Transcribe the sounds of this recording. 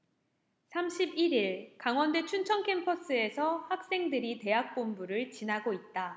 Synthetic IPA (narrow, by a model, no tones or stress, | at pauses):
sʰamɕʰibiɾiɭkaŋwʌnde̞t͡ɕʰunt͡ɕʰʌnkʰe̞mpʰʌs͈ʰɯe̞sʰʌhak̚s͈e̞ŋdɯɾite̞ɦak̚p͈ombuɾɯɭt͡ɕinaɡoit̚t͈a